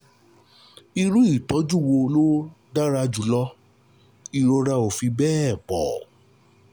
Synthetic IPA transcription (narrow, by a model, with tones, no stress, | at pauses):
i˧ɾu˦i˦˨tɔ˨˦d͡ʒu˦˨wo˧lo˦ | da˦ɾa˧d͡ʒu˨˦lɔ˦ | i˨˧ɾo˧ɾa˧o˨fi˧bɛː˦˨k͡pɔ̰˨